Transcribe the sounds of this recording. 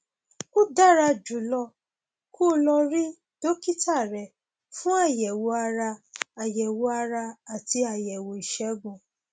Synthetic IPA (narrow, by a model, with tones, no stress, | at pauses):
o˦da˦˨ɾa˧d͡ʒu˨˦lɔ˧ | ku˦lɔ˧ɾi˦ | d̥o˦ki˦ta˦˨ɾɛ˨ | fũ˦a˦˨jɛ˨wo˧a˧ɾa˧a˨jɛ˨wo˧a˧ɾa˧a˨ti˧a˨jɛ˨wo˨i˨ʃɛ˨˦ɡũ˨